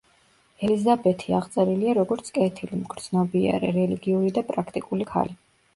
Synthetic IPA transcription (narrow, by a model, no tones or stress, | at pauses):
ɛlizabɛt̪ʰiaʁt̪sʼɛɾiliaɾɔɡɔɾt̪sʰkʼɛt̪ʰilimɡɾd̪z̥nɔbia̰ɾɛɾɛliɡiuɾid̪apʼɾakʰt̪ʼikʼulikʰa̰li